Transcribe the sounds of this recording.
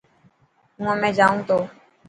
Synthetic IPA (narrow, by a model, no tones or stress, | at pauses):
ũãmɛ̃ːd͡ʒaːũːt̪oː